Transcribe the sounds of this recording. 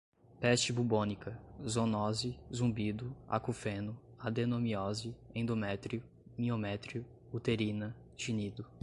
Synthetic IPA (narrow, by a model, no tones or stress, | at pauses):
pɛst͡ʃɪbubõnikɐzõnɔzɪzũbid̪ʊa̰kufẽnʊad̪enõmiɔzɪẽd̪omɛt̪ɾiʊ | mĩomɛt̪ɾiʊ | ut̪eɾĩnɐ | ʒinid̪ʊ